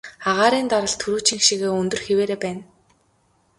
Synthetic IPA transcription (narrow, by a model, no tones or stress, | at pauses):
aʁaːɾiːnt̪aɾə̆ɮt̪ʰɵɾuːt͡ɕĭŋxʃiɣeːɵnt̪ɵ̆rxeweːɾeːpæːn